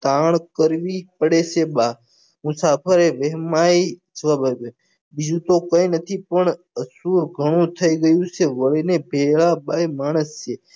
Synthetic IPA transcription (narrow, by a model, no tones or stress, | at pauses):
t̪aːɳ̃kəɾʋipəɽet͡ʃʰeɓa | mũsapʰəɾeʋeɦmait͡ʃʰəʋabab | bid͡ʒũt̪okəinət̪ʰipəɳ | əsuɾɡʱəɽ̃ũt̪ʰəiɡəjũt͡ʃʰeʋəɭinebʱeɭaɓaimaːɽ̃əst͡ʃʰe